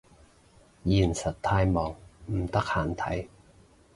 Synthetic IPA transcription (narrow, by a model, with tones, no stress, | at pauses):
ji˧˩nsa˨˩˦t̪ʰːaː˧jmɔː˨˦ŋm̩˨˧˦t̪ʰa˧˥khaː˨˦nt̪ʰa̰˨˧˦j